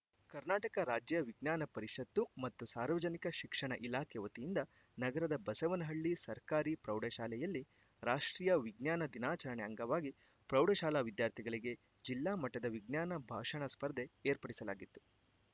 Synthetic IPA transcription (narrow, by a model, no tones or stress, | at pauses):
kɐɾnaːʈɐkɐɾaːd͡ʒjɐʋiɡnaːnɐpɐɾiʂɐt̪ːumɐt̪ːusaːɾʋɐd͡ʒɐnikɐʃikʂɐɳɐʔilaːkʰɛʋɐt̪ijind̪ɐ | nɐɡɐɾɐd̪ɐbɐsɐʋɐnɐɦɐɭːisɐɾkaːɾipɾɐwɖɐʃaːlɛjɐlːi | ɾaːʂʈɾiːjɐʋiɡnaːnɐd̪inaːt͡ʃɐɾɐɳɛɐŋɡɐʋaːɡi | pɾɐwɖɐʃaːlaːʋid̪jaːɾt̪ʰiɡɐɭiɡe̞ | d͡ʒilːaːmɐʈːɐd̪ɐʋiɡnjaːnɐbʱaːʂɐɳɐspɐɾd̪e̞eːɾpɐɽisɐlaːɡit̪ːu̥